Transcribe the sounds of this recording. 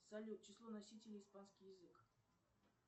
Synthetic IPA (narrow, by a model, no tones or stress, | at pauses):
sɐlʲut̪̚t͡ɕɪslˠonɐsʲitʲɪlʲɪːspanskʲijɪzɨk